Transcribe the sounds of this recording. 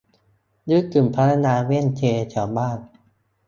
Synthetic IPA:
dɯː˦˥kɯ˨˩mpʰa˦˥t̪ʰa˧naː˧wi˥˩˨nt͡ɕʰeː˧t͡ɕʰaː˦˩wbaː˥˩n

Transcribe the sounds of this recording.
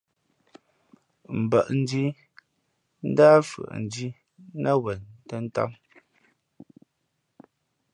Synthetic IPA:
m̩˨bə˨ʔn̩˦di˦ | n̩˦daː˦fɯ̰˨ʔn̩˨di˦ | nʔa˦wɛ˨ntə˦n̩˦ta̰˦m

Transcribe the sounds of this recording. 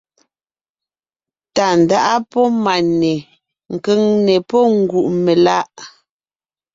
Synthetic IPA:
ta˨n̩˨da˦ʔa˦pɔ˦ma˨nɛ˨ | ŋ̩˨kə˦˨ŋnɛ˨pɔ˦ŋ̩˨ɡu˨ʔme˨la˦ʔ

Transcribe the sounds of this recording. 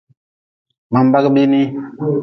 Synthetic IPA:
ma˨m˨ba˦kbi˦ni˦

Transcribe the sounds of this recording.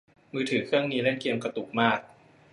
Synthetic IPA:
mɯː˧t̪ʰɯː˩˦kʰɯ˥˩əŋniː˦˥le˥˩nki˧əmka˧t̪u˨˩k̚maː˥˩k̚

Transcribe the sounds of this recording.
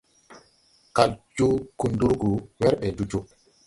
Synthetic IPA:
ka˨ld͡ʒu˦ku˨ndu˦ɾɡu˨wɛ˦ɾɓɛ˨du˦d͡ʒu˦

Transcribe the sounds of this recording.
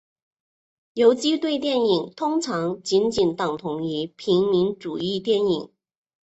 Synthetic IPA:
jo˧˥ʊt͡ɕi˥t̪we˥˧ɪt̪̬jɛ˥˩ni˨˩ŋt̪ʰʊ˥ŋʈ͡ʂʰɑ˧˥ŋt͡ɕi˧˥nt͡ɕi˨˩nt̪ɑ˨˩ŋt̪ʰʊ˧˥ŋi˧˥pʰi˧˥ŋmi˧˥nʈ͡ʂu˨˩i˥˧t̪jɛ˥˩ni˨˩˦ŋ

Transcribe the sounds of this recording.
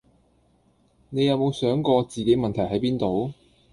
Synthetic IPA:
ne˨˧jɐ˨˧wmo˨˧wsœː˨˥ŋkɔː˧t͡siː˨ke˨˥jmɐ˨nt̪ʰɐ˨˩jhɐ˨˥jpiː˥nt̪o˨˧w

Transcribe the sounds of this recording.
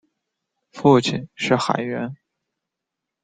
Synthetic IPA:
fu˥˩t͡ɕʰi˨˩nʂɻ̩˥˩xa˨˩ɪɥɛ˧˥n

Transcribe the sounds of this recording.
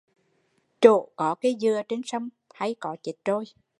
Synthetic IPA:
t͡ɕo̰˧˨kɔ˨˦ke˨˦zɨ˧˩ət͡ɕe˧nsə˧wŋ͡m | ha˧jkɔ˨˦t͡ɕi˨˩t̚to˧j

